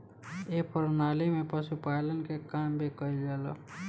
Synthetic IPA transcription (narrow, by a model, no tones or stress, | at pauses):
jeːpʰəɾnaːlemẽpəsupaːlənkekaːmbʱikəid͡ʒəlo̰